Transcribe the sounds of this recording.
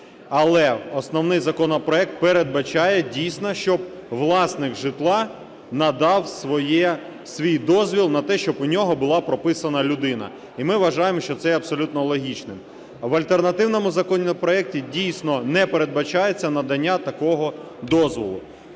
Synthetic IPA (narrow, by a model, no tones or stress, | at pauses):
ɐlˠɛɔsnɔwnɪjzɐkɔnɔpɾɔɛk̚t̪̚peɾed̪̚bɐt͡ʃɑjɛdʲijsʲnɔʃt͡ʃɔb̚ʋlˠɑsnɪxʒɪt̪lˠɑ | nɐd̪ɑwsʋɔjɛ | sʋʲijd̪ɔzʲʋʲilˠnɐt̪ɛʃt͡ʃɔbʊnʲɔɦɔbʊlˠɑpɾɔpɪsɐnɐlʲʊd̪ɪnɐ̰ | imɪʋɐʒɑjemɔʃt͡ʃɔt̪sɛɐpsɔlʲut̪̚nɔlˠɔɦʲit͡ʃnɪm | ʋɐlʲt̪ernɐt̪ɪwnɔmʊzɐkɔnʲpɾɔɛk̚tʲidʲijsʲnɔnɛpeɾe̞d̪̚bɐt͡ʃajet͡sʲːɐnɐd̪ɐnʲːat̪ɐkɔɦɔ | d̪ɔzʋɔ̰lˠʊ̰